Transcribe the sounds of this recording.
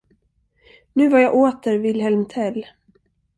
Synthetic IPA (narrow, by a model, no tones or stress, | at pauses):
nʉ̟ːvaɾjaːʔoːt̪əɾvɪlɦɛlmt̪ʰɛlː